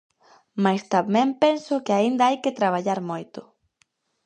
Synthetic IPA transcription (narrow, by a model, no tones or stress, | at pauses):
majst̪amɛ̃mpensʊkɪaind̪ɐajkɪt̪ɾaβ̞aʎaɾmojt̪ʊ